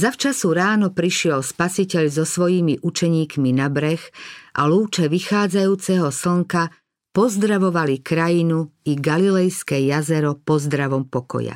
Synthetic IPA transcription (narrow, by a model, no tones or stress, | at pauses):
zaft͡ʃasuɾaːnɔpɾiʃɪɛlspasicɛʎzɔsʋɔjimiʔut͡ʃɛɲiːkminabɾɛxʔa̰luːt͡ʃɛʋixaːd͡zajuːt͡sɛɦɔsl̩ŋka | pɔzd̪ɾaʋɔʋalikɾajinuiɡalilɛjskɛjazɛɾɔpɔzd̪ɾaʋɔmpɔkɔ̰ja̰